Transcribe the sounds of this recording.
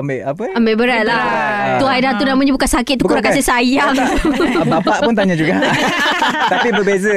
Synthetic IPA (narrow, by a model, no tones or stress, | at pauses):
ambɪʔapəambeʔbəɾat̪̚laht̪uaidat̪unamãɲabukansakɪt̪̚ːukuɾaŋkasesajaŋbapaʔpunt̪aɲãd͡ʒuɡa | t̪apibəbezə